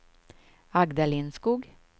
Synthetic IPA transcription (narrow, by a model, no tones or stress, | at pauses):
ɑɡd̪ɑliːnskuːɡ